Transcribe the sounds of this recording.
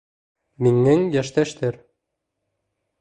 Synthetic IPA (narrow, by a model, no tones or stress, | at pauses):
miŋɘŋjæʃt̪æʃt̪ʰæɾ